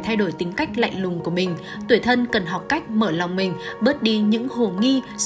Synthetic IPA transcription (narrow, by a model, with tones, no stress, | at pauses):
t̪ʰa˧jɗo˧˩jt̪ï˨˦ŋ̟ka˦˥jk̟̚la̰˧˨jŋ̟lʊ˨˩ŋ͡mku˧˩əmï˨˩ŋ̟ | t̪wi˧˩t̪ʰə˧nkə˨˩nɦa˨˩wk͡p̚ka˦˥jk̟̚məː˧˩la˨˩wŋ͡mmï˨˩ŋ̟ɓə˦˥t̚ɗi˨˦ɲɨ̰˧˥ŋho˨˩ŋi˧